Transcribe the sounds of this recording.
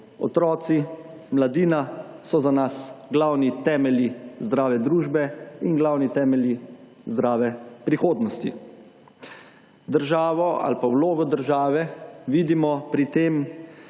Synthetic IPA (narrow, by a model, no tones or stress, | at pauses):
ɔ̰t̪ɾɔːt̪si | mlad̪iːna | sɔzanasɡlawnit̪ɛːmɛljizd̪ɾaːʋɛd̪ɾuːʒbɛinɡlawnit̪ɛːmɛlji | zd̪ɾaːʋɛpɾixoːd̪nɔst̪ḭ | d̪əɾʒaːʋɔa̰lpawloːɡɔd̪əɾʒaːʋɛʋiːd̪imɔpɾit̪eːm